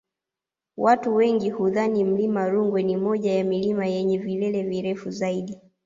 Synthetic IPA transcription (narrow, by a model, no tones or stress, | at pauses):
watuwɛŋɡihuðanim̩limaɾuŋɡwɛnimɔʄajamilimajɛɲɛvilɛlɛviɾɛfuzaiɗi